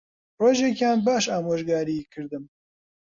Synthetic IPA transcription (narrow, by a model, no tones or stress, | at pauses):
roːʒekjaːnbaːʃaːmoːʒɡaːɾikʰɨɾd̪ɨm